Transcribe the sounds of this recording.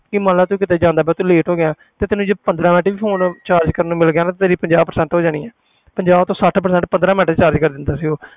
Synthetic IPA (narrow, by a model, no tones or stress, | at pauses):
kɪmãlaːt̪uːkɪt̪eːd͡ʒãːnd̪aːbɛːt̪ũːleːʈɦoːɡɪjãː | t̪eːt̪ɪnũːd͡ʒəbpənd̪ɾãːmɛ̃ːʈːʋiːpʰoːnt͡ʃaːɾd͡ʒkəɾnũːmɪlɡɪjaːnãt̪et̪eːɾiːpəɲd͡ʒaːbpəɾsɛ̃ːɳʈɦoːd͡ʒaːɽ̃iːɛ̃ː | pəɲd͡ʒaːbt̪õːsəʈʰpəɾsɛ̃ːɳʈpənd̪ɾaːmɛːʈːt͡ʃaːɾd͡ʒkəɾd̪ɪnd̪aːsioː